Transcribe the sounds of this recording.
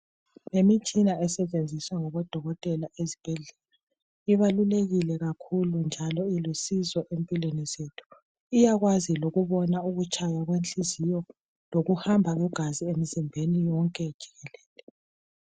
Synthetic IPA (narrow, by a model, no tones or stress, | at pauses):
emit͡ʃʼinaɛsɛt͡ʃʼend͡zʱiswaŋɔβɔd̥ʱɔɣɔtʼɛlaʔezib̥ʱɛɮɛla | iβaluleɣilɛɣakʰulund͡ʒʱalɔilusizɔʔempʼilwenizetʰu̥ | ijaɣwaziloɣuβɔnauɣut͡ʃʼajaɣwenɬizijɔ | loɣuhambʱaɣuɡ̥ʱaziemizimbʱenijɔŋkʼɛd̥ʒ̥ʱi̥ɣɛlɛːlɛ